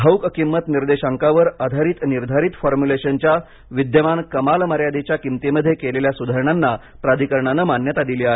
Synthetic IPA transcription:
ɦəwkəkimːət̪niɾd̪eɕaŋkaʋəɾad̪ʱaɾiːt̪niɾd̪ʱaɾiːt̪fɔɾmuleɕənt͡ɕja | ʋid̪jəʋankəmalməɾjad̪et͡ɕjakimt̪eməd̪ʱːjekeleljasud̪ʱaɾɳanːa | pɾad̪ʱikəɾɳanəmanjət̪ad̪iliaɦe

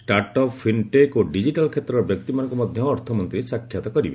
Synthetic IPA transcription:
sʈaɾʈɔpʰːinʈekoɖid͡ʒiʈalkʰet̪ɾɔɾbjɔk̚t̪imanɔŋkɔmɔd̪ʱjɔːɾt̪ʰɔmɔnt̪ɾisakʰjat̪ɔkɔɾibe

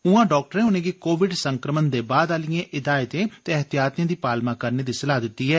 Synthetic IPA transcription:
ʊãːɖɔːk̚ʈəɾɛ̃ːʊnẽːɡiːkoːʋɪɖsə̃ŋkɾəmənd̪eːbaːd̪aːlɪjãːʔɪd̪aːɪt̪ẽːt̪eəɦt̪ijaːt̪jãːd̪iːpaːlmãːkəɾneːd̪iːsəlaːd̪ɪt̪ːiːɦɛː

